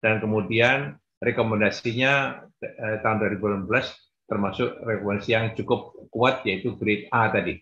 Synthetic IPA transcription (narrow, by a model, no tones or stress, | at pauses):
d̥ankəmudian | rekomɛndasiɲa | t̪aɦʊnduaɾibulambəlas | t̪ərmasʊkrekomɛndasijaŋt͡ʃukʊp̚kuat̪̚jait̪uɡɾɪt̪̚at̪adi